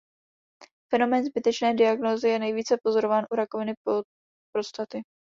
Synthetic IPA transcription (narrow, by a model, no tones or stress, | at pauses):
fɛno̞mɛːnzbɪt̪ɛt͡ʃnɛːdɪaɡnoːzɪjɛnɛjviːt͡sɛpo̞zo̞ɾovaːnʔuɾako̞vɪnɪ | pɾost̪at̪ɪ